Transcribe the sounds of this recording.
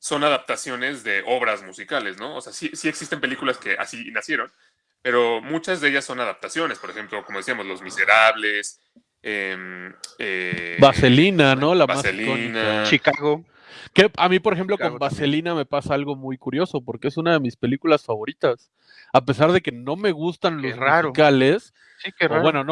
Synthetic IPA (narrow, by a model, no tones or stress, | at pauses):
so̞naðap̚t̪asjo̞ne̞zðe̞ʔo̞βɾazmusikale̞sno̞oseasisie̞ksist̪e̞mpe̞likulaske̞ʔa̰sinasje̞ɾo̞n | pe̞ɾo̞mut͡ʃazðeeʝasːo̞naðap̚t̪asjo̞ne̞spoɾe̞xe̞mplo̞komoðsiamo̞zlo̞zmise̞ɾaβles | emebaselinano̞laamasloninaat͡ʃikaɣo | keamipoɾexe̞mp̬loombaseliname̞pasaalɣo̞mujkuɾjo̞so̞po̞ɾkee̞sunaðe̞mispe̞likulasfaβo̞ɾit̪as | ape̞saɾðe̞ke̞no̞me̞ɣust̪anloraɾikales | siebwenono